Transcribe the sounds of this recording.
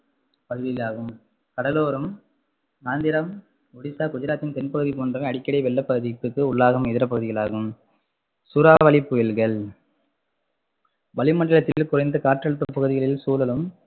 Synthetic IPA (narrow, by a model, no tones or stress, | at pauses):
pɐɣɯðɪɣɐlaːɣɯm | kɐɽɐloːɾɯm | naːnd̪ɪɾɐm | ʊɽɪsaːkʊd͡ʒɐɾaːt̪ːɪnt̪ɛnpɐɣɯðipoːndrɐɐɽɪkːɐɽɐɪʋɛlːɐpːɐɣɯðɪpːɯkːɯʊɭːaːɣɐmɪðɪɾɐpːɐɣɯðɪɣɐɭa̰ːɣɯm | sʊɾaːʋɐɭɪpːʊjɪlɣɐɭ | ʋɐɭɪmɐɳɖɐɭɐt̪ːɪlkʊrɐɪnd̪ɯkaːʈrɐɭɯpːɾɐpːɐɣɯðɪɣɐɭɪlsuːlɐlɯm